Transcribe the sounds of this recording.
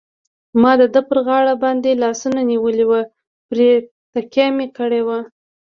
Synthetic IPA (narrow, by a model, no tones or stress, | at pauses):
mɑd̪əd̪əpəɾɣɑɽabɑnd̪elɑsunaniwəliwə | pɾe | t̪akjɑmekəɽewa